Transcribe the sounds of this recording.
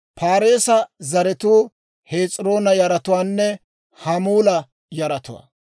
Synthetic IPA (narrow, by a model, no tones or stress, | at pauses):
pʰaːɾeːsɐzɐɾɛt̪uː | heːt͡sʼɾo̞ːnɐjɐɾɐt̪ʊwaːnːɛ | hɐmuːlɐ | jɐɾɐt̪ʊwa̰ː